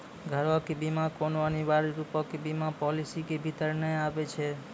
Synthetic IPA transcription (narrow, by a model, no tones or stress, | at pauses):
ɡʱəɾɔkebimakonoəniʋaɾɾupɔkebimãpɔlisikebʱit̪əɾnəĩapet͡ʃʰe